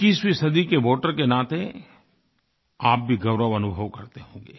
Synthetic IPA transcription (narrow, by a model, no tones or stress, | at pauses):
kɪsbisɐd̪ikeʋoːʈəɾkenaːt̪e | aːp̚bʱiɡɐʊɾəʋɐnʊbʱəʋkɐɾt̪eɦõːŋɡeː